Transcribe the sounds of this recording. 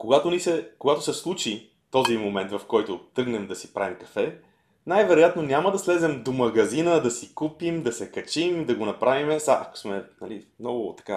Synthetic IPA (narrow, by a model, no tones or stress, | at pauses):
koɡat̪onisɛkoɡat̪osɛslˠut͡ʃi | t̪ɔzimomɛnt̪vɐfkɔjt̪ot̪ɾɤɡnɛmd̪ɐsi̥pɾa̰vimkɐ̥fɛ | najvɛɾojat̪nonʲaməd̪ɐslɛzɛmd̪omɐɡɐzinəd̪ɐsikupimd̪ɐsɛkɐt͡ʃimd̪ɐɡonɐpɾavimɛsaʔɐko̥smɛnɐlimnɔɡʊt̪ɐ̥ka